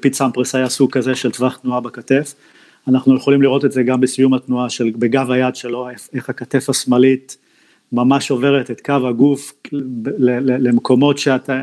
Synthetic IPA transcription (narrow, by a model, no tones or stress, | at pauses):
pit͡sampʁesajasuɡ̚kaze̞ʃeltvaχt̪nuabakate̞f | anaχnujeχo̞limliʁo̞t̪etzeɡambesijumhatnuaʃe̞lbe̞ɡavajadʃe̞lo̞eeχhakate̞fasmalit | mamaʃo̞ve̞ʁet̪et̪kavhaɡuf | lelele̞mko̞mo̞tʃeat̪a